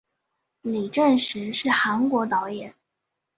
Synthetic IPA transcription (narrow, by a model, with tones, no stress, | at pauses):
li˨˩ʈ͡ʂə˥˩nʂɻ̩˧˥ʂɻ̩˥˩xa˧˥nkwɔ˧˥t̪ɑ˧˥ʊjɛ˨˩˦n